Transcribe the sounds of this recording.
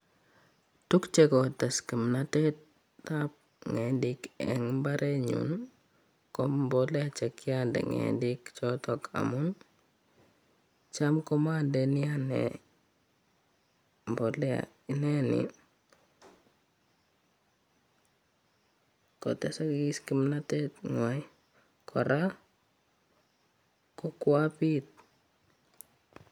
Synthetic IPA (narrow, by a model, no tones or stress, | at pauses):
tukt͡ʃɛkɔtɛskimnatɛt | tap̚ | ŋɛndikɛ̰ŋmbaɾʔɛɲṵn | kɔmbɔlɛat͡ʃɛkːiandɛ̰ŋɛ̰ndikt͡ʃɔtɔkʰa̰mun | t͡ʃamkɔmandɛnijanɛ̰ | mbɔlɛa̰ | inɛnḭ | kɔ̰tɛsakiɡiskimnatɛtŋwaj | kʰɔɾa | kɔkwapit̚